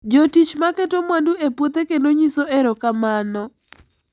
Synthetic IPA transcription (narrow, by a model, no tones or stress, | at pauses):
d͡ʒotit͡ʃmakɛtomwanduepwot̪ekendoɲisoʔɛɾɔkamanɔ